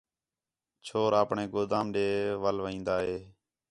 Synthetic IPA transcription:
t͡ʃʰoːɾaːpɳeːɡoːd̪ãːmɗeːʋəlʋĩːnd̪aːɦeː

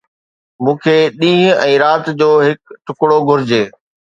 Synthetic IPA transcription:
mũːkʰeːɗĩːɦʊ̃ɛ̃ːɾaːt̪d͡ʑoːɦɪkʈʰʊkɽoɡʱʊɾɪd͡ʑeː

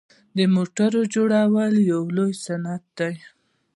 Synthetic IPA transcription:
d̪əmoʈaɾod͡ʒoɽawəljawlojsanat̪̚d̪aj

